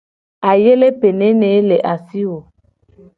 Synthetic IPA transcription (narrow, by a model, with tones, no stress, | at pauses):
a˨je˦le˦pe˨ne˦ne˨˦le˨ʔa˨si˦wo˨